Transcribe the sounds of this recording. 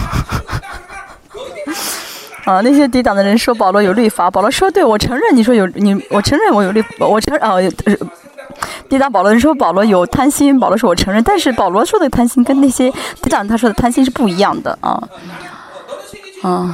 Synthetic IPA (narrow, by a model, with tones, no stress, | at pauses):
ə˥˧na˥˩ɕ̬jɛ˥t̪̬i˧˥t̪̬ɑ˨˩ŋd̪ə˦ɻə˧˥nʂwɔ˥p̬ɑ˨˩ʊlwɔ˧˥jo˨˩ʊly˥˩fa˧˥pɑ˨˩lwɔ˧˥ʂʂwɔ˥t̪we˥˩ɪwɔ˨˩ʈ͡ʂʰɤ˧˥ŋɻə˥˩ni˩ʂ̬wɔ˥jo˧˥ʊni˨˩wɔ˨˩ʈ͡ʂʰɤ˧˥ŋɻə˥˩nwɔ˧˥jo˨˩ʊly˥˩wwɔ˨˩ʈ͡ʂʰɤ˧˥ŋə˧j | t̪i˧˥ɑ˥˩pɑ˨˩lɔ˧˥ɻə˧n˥ʂwɔ˥p̬lwɔ˧˥jo˨˩ʊt̪ʰa˥nɕi˥npɑ˨˩lɔ˧˥ʂ̬wɔ˥wɔ˨˩ʈ͡ʂʰɤ˧˥ŋɻə˥˧nt̪a˥˧nʂɻ̩˥˩pɑ˨˩ʊlwɔ˧˥ʂwɔ˥d̪ə˨˩t̪ʰa˥nɕi˥nkə˥nna˥˩ɕjɛ˥t̪i˧˥t̪ŋ˧ə˧t̪ʰa˥ʂɔ˥ə˨˩t̪ʰa˥nɕi˥nʂ̬ɻ̩˧pu˥˩i˧˥jɑ˥˩ŋd̪ə̰˩ɐ̰˧˩ | ə˥˩